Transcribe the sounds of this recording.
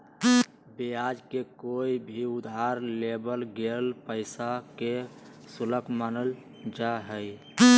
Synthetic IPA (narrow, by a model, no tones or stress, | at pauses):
beaːd͡ʒkekoːibʱiʊd̪ɦaɾlebəlɡelpəɪsake | sʊləkʰmanəl | d͡ʒaɦəj